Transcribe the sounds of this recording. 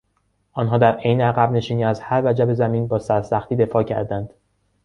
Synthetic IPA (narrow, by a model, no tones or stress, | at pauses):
ʔɒːnɦɒːd̪æɾejneæɣæbne̞ʃiːniːæzhæɾvæd͡ʒæbe̞zæmiːnbɒːsæɾsæxt̪iːd̪e̞fɒːcʰæ̰ɾd̪ænd̪̥